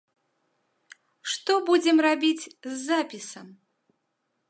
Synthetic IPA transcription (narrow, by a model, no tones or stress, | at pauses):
ʂt̪ɔbud͡zʲɛmrabʲit͡sʲzːapʲisɐm